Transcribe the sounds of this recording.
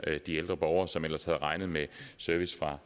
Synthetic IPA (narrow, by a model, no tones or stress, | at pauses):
d̥ield̥ʁɐb̥ɒʊɐsɒ̽mel̰ɐshæð̞̩ˠʁɑ̈ɪnð̩ˠmesøɐʋisfʁɑ̈